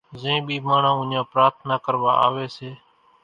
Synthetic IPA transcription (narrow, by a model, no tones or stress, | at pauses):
zẽːɓiːmaːɳ̤ãːʊ̃ɲãːpɾaːt̪ʰnaːkəɾʋa̰ːa̰ːʋeːseː